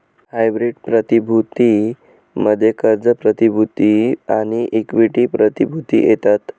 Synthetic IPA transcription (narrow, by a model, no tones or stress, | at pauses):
hajbɾiɖpɾət̪ibʱut̪i | məd̪ʱːjekəɾd͡zəpɾət̪ibʱut̪iaɽ̃iʔikʋiʈipɾət̪ibʱut̪ḭjet̪at̪